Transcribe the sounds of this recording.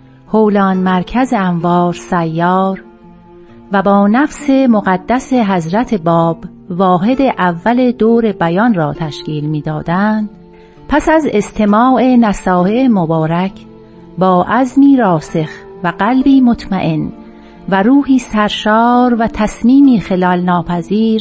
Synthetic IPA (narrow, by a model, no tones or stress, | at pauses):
howlɒːnmæɾcʰæze̞æɱvɒːɾsæjːɒːɾ | væbɒːnæfse̞moɣæd̪ːæse̞ɦæzɾæt̪ʰe̞bɒːb | vɒːɦe̞d̪e̞ʔævːæle̞d̪oːɾe̞bæjɒnrɒːt̪ʰæʃciːlmiːd̪ɒːd̪ænd̪̥ | pʰæsæze̞st̪ʰe̞mɒːe̞næsɒːheːmobɒːɾæcʰ | bɒːʔæzmiːɾɒːse̞x | væɡælbiːmo̞t̪ʰmæʔe̞n | væɾuːɦiːsæɾʃɒːɾvæt̪ʰæsmiːmiːxe̞lɒːlnɒːpʰæziːɾ